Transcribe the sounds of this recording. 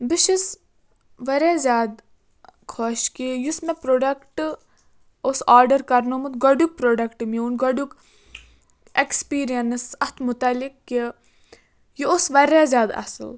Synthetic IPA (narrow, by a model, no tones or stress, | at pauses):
biʃis | ʋɐɾezʲjaːd̪ | kʰoːʃkijusmepɾoːɖɐkʈ | osaːɾɖɐɾkɐɾnomut̪ɡɐɖuk̚pɾoːɖɐkʈmiunɡɐɖuk | ekspiːɾijɐnsɐt̪ʰmut̪ɐlikːi | jiosʋɐɾezʲaːd̪ɐ̰sɨ̰l